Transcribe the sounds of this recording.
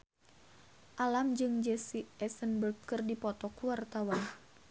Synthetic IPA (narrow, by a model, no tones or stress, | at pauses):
ʔalamd͡ʒɨŋd͡ʒɛsiɛsənbəlkərdipɔt̪ɔkuwart̪awan